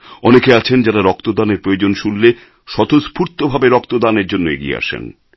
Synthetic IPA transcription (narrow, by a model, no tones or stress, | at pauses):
ɔnekeat͡ɕʰend͡ʑaɾaɾɔkt̪od̪aneɾpɾojod͡ʑonʃulːe | ʃɔt̪ospʰuɾt̪obʱabeɾɔk̚t̪od̪aneɾd͡ʑonːoḛɡiḛa̰ʃḛn